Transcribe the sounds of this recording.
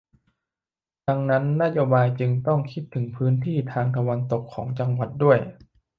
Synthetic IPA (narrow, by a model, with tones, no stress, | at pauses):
da˧ŋna˦˥nːa˦˥joː˧baː˧jt͡ɕɯ˧ŋt̪ɔ˥˩ŋkʰi˦˥t̪ʰːɯ˩˦ŋpʰɯː˦˥nt̪ʰiː˥˩t̪ʰaː˧ŋt̪ʰa˧wa˧nt̪o˨˩kʰːɔ̰ː˩˦ŋt͡ɕa˧ŋwa˨˩t̪̚du˥˩əj